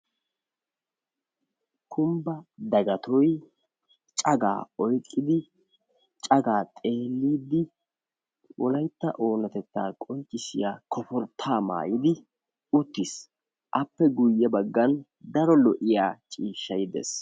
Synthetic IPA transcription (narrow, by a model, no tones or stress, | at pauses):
kʰʊmbɐd̪ɐɡɐt̪ɔj | t͡ʃʼɐɡa̰ːɔjkʼːɪd̪ɪ | t͡ʃʼɐɡaːt̪ʼe̞ːlːiːd̪ːɪ | wʔɔlɐjt̪ːɐ̰ʔo̞ːnɐt̪ɛt̪ːaːkʼɔnt͡ʃʼːɪsɪjaːkʰɔpɔɾt̪ʰaːma̰ːjɪd̪ɪ | ʊt̪ːɪs | ʔɐpːɛɡʊjːɛbɐɡːɐn | d̪ɐɾɔlɔʔɪjaːt͡ʃʼiːʃːɐjɪd̪ḛs